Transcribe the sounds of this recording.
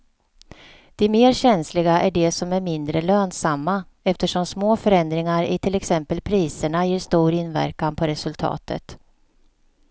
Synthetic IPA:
d̪̥ɛmeːɾɕɛnslɪɡaʔæɖɛsɔmæɾmɪnd̪ɾəløːnsamːa | ɛft̪əʂɔmsmoːfœɾɛnd̪ɾɪŋaɾɪ̰t̪ʰɪlɛksɛmpəlpʰɾiːsəɳajeːʂt̪uːɾɪnvæ̰ɾkanpʰɔɾɛsɵlt̪ʰɑ̰ːt̪ʰə̰t̪

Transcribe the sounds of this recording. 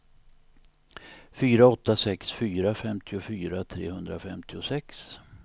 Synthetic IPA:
fyːɾaɔt̪ːasɛksfyːɾafɛmt̪ʰɪʊfyːɾat̪ʰɾḛːhɵnd̪ɾa̰fɛmt̪ʰɪʊsɛks

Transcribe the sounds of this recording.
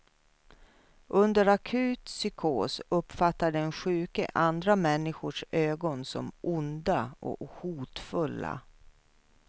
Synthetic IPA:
ʔɵnd̪əɾakʰʉ̟ːt̪sʏkʰoːsɵpːfat̪ːaɖɛɛnɧʉ̟ːkə̰ʔand̪ɾamɛnːɪɧʊʂøːɡɔnsɔ̰mʊnd̪aʔɔ̰huːt̪fɵlːa̰

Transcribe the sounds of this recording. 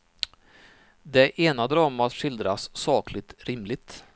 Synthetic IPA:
d̪ɛʔeːnad̪ɾɑːmat̪ʂɪld̪ɾasːɑːklɪt̪ɾɪmlɪɡ̚t̪

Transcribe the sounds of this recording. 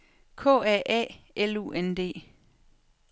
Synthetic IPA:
kʰɔ̰ːɛʔɛ̰ː | elṵːend̥e̝̰ː

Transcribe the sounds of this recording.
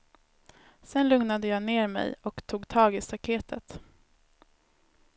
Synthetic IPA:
sɛnlɵŋnad̪əjɑːneːɾmɛ̰jɔkt̪ʰuːɡt̪ʰɑːɡɪst̪akʰeːt̪ʰət̪

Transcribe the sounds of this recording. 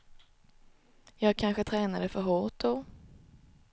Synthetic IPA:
jɑːɡ̚kʰanɧət̪ʰɾɛːnad̪əfœɾɦoːʈ̚d̪o

